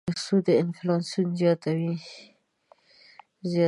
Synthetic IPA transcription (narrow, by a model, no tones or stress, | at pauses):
asud̪əɪnflɑnsunzjɑt̪awi | zj